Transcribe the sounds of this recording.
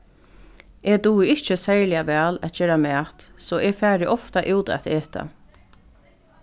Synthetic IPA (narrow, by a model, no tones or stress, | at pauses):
ʔed̪uːɪɪht͡ʃəsɛɹlɪaʋɛːlæt̪̚d͡ʒeːɾamæːt̪sɔʔɛfæːɾɪʔɔft̪aʔɪːt̪ɛ̰t̪eːt̪ʰa̰